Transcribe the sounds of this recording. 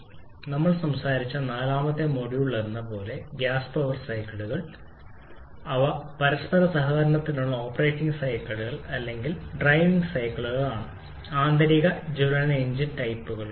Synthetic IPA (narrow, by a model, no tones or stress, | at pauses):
nɐmːɐɭsɐmsaːɾit͡ɕːɐnaːlaːmɐt̪ːe̞mo̞ɽijuɭːɐɾunːɐpo̞ːle̞ɡjaːspoʋɐrsɐjkːɐɭuɣɐɭ | ɐʋɐpɐɾɐspɐɾɐsɐɦɐːɐɾɐɳɐt̪ːinuɭːɐo̞ːpːɐre̞ːʈːiŋɡɨsɐjkːɐɭuɣɐɭɐlːe̞ŋɡilɖrɐjʋiŋɡsɐjkːɐɭuɣɐɭaːɳɨ | aːnd̪ɐɾiɣɐd͡ʑulɐneɲd͡ʑinʈɐjpːuɣɐɭ